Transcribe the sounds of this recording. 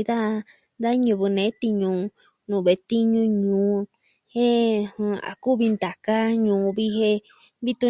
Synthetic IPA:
ða˦ | d̪a˦ɲũ˧˨βɨ˧nẽ˨˦t̪i˧ɲũ˧˨˧ | nũ˨βe˨t̪i˦ɲũ˧ɲũː˨˦ | he˦hũ˧a̰˨ku˦βi˧nd̪a˨ka˦ɲũː˨˧βi˧ɦe˧ | βi˦t̪u˧

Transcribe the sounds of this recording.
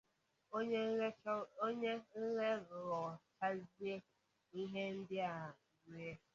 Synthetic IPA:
o˦ɲe˦ŋ̩˦ŋe˦ɾɾɔ˨t͡ʃa˦zi˦e˦ | i˦ɦe˦n̩˦dɪ˦a˨ɡi˨˦e˦

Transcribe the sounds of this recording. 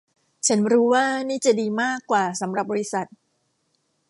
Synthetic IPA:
t͡ɕʰa˦˥nɾuː˦˥waː˥˩niː˥˩t͡ɕa˨˩diː˧maː˥˩kːwaː˨˩sa˩˦mɾa˨˩p̚bɔː˧ɾi˦˥sa˨˩t̪̚

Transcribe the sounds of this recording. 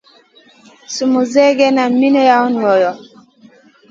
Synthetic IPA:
su˨mu˨zɛ˦ɡɛ˦na˨mi˦nɔ˦ja˦u˦n˨mɔ˨jɔ˨

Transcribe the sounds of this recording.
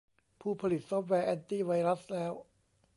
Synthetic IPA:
pʰuː˥˩pʰa˧li˨˩t̪̚sɔ˦˥p̚wɛː˧ʔɛ˧nt̪iː˥˩wa˧jɾa˦˥slɛː˦˥w

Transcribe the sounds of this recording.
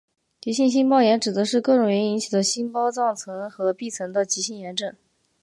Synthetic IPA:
t͡ɕi˧˥ɕi˥˧nɕ̬i˥npɑ˥ʊjɛ˧˥nʈ͡ʂɻ̩˨˩d̪ə˧˦ʂɻ̩˥˧kɤ˥˩ʈ͡ʂʊ˧˥ŋɥɛ˧˥ni˧˥nt͡ɕʰi˨˩d̪ə˦ɕi˥npɑ˥ʊt͡sɑ˥˩ŋt͡sʰɤ˧˥ŋxɤ˧˥pi˥˩t͡sʰɤ˧˥ŋd̪ə˧t͡ɕi˧˥ɕi˥˩njɛ˧˥nʈ͡ʂɤ˨˩˦

